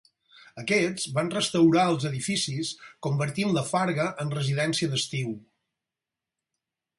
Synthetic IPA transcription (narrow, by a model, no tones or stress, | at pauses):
əkɛd͡zβanrəst̪əwɾaəlˠzəðifisiskumbəɾt̪imləfaɾɣəʔənrəziðɛnsiəðəst̪iw